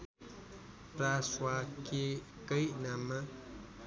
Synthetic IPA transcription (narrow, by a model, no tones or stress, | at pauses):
pɾaswake | kəjnamːa